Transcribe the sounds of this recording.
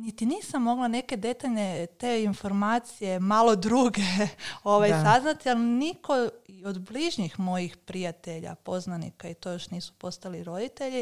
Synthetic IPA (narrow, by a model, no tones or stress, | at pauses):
nit̪iniːsamːo̞ɡlˠane̞ke̞d̪e̞t̪aʎnet̪e̞ːinfo̞ɾmaːt̪sije̞malo̞d̪ɾuɡe̞o̞ʋajsaznat̪ialniko̞io̞d̪bliʒɲixmo̞jixpɾijat̪e̞ʎa̰po̞znanḭkait̪o̞jo̞ʃniːsu̥po̞st̪aliɾo̞d̪it̪e̞ʎi